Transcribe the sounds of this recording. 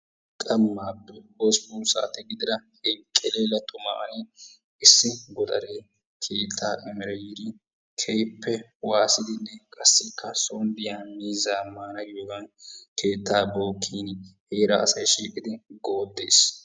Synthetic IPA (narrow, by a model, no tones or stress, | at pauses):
kʼɐmːaːpːɛbɔsbusa̰ːt̪ɛɡɪd̪ɪɾɐhɛŋkʼːɛleːlɐt̪ʰːɔma̰ʔɐ̰ni | ɪsːɪɡɔt̪ʼɐ̰ɾeː | kʰe̞ːt̪ʰːaːʔɛmɪɾɛjɪɾɪ | kʰɛjpːɛwaːsɪd̪ɪnːɛkʼɐsːɪkʰːɐsond̪ɪjaːmiːzaːmːaːnɐɡɪjoɡɐnkʰe̞ːt̪ʰːaːboːkʰːiːnheːɾɐːsɐjʃiːkʼɪd̪ɪɡo̞ːd̪ːeːs